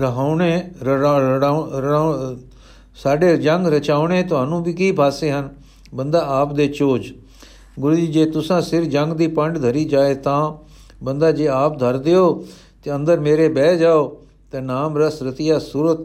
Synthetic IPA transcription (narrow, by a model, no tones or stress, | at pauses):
ɾəɦaːneː | saːɖeːd͡ʒə̃ŋɡɾət͡ʃaːʊɳeːt̪ʊɦaːnũːbʱiːkiːbʱaːseːɦən | bənd̪aːaːpd̪eːt͡ʃoːd͡ʒ | ɡʊɾuːd͡ʒiːd͡ʒeːt̪ʊsãːsɪɾd͡ʒə̃ŋɡd̪iːpəɳɖd̪ʱəɾiːd͡ʒaːeːt̪ãː | bənd̪aːd͡ʒeːaːp̚d̪ʱəɾd̪ɪoː | t̪eːə̃nd̪əɾmeːɾeːbɛːd͡ʒaːoː | t̪eːnaːmɾəsɾət̪ɪjaːsuːɾət̪